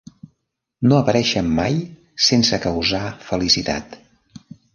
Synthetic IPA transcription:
noəpəɾɛʃəmːaj | sensəkəwzafəlisit̪a̰t̪

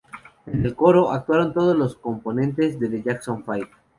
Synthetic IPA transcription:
e̞ne̞lko̞ɾo̞ʔak̚t̪waɾo̞nt̪o̞ð̞ozlo̞sko̞mpo̞nẽ̞nt̪e̞zðeðeʝaksoɱfajt̪

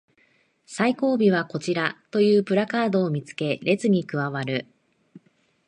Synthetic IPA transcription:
saiko̞ːbʲiβako̞t͡ɕiɾat̪o̞jɯ̟ːpɯ̟ɾakaːd̪o̞ːmʲit͡sɨ̥ke̞ɾʔe̞t͡sɨɲ̟ikɯ̟βaβaɾɯ̟

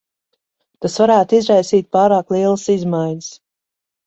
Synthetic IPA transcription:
t̪asvaɾæːt̪izɾajsiːt̪̚paːɾaːklˠiɛlˠəsizmajɲəs

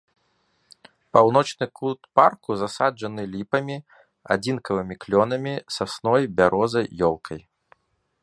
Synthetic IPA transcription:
pawn̪ɔt͡ʂnɨkʰut̪parkuzasad͡ʐɐnɨlʲipɐmʲi | a̰d͡zʲinkɐvɨmʲiklʲɔnɐmʲisasnɔjbʲaɾʔɔzɐjːɔlˠkʰɐj

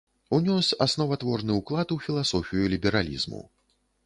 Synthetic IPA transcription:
unʲɔsʲasnɔvat̪vɔrnɨuklˠat̪ufʲilˠasɔfʲijulʲibʲɛɾalʲḭzmṵ

